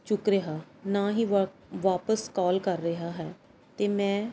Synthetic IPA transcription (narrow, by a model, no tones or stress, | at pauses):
t͡ʃʊkɾeɦaːnaːɦiːʋaːpəskɔːlkəɾːəɦaːɦɛː | t̪eːmɛ̃ː